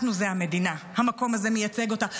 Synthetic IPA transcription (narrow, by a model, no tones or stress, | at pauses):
tnuzeame̞d̪inahamako̞maze̞mejat͡se̞ɡo̞ta